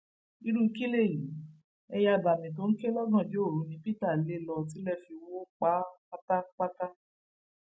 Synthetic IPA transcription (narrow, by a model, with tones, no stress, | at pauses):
i˧ɾu˦i˧ki˦le˦˨ji˨˦ | ɛ˧ja˧˨ba˨mĩ˨t̬o˨˦n̩˦ke˦lɔ˦ɡɔ̃˦˨d͡ʒo˦o˦˨ɾũ˨˦nĩ˧pi˦ta˦˨le˦˨lɔ˧ti˨˦lɛ˦˨fi˧wo˦k͡pa˨˦ | a˦ta˦k͡pa˦ta˦